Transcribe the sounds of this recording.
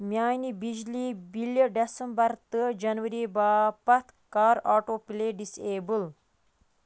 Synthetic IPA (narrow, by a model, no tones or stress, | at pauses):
mjaːnibid͡ʒlibiljəɖesəmbɐɾt̪əd͡ʒɐnʋɐɾibapɐt̪ʰkaːɾaːʈopileɖiseːbəl